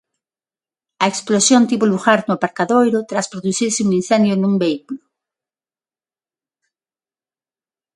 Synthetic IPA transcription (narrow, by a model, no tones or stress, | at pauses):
ɐeksplosjont̪iβoluɣaɾnʊapaɾkaðojɾʊt̪ɾaspɾoðuθiɾsɪuŋin̟θɛ̃nd̪jonumbeikulʊ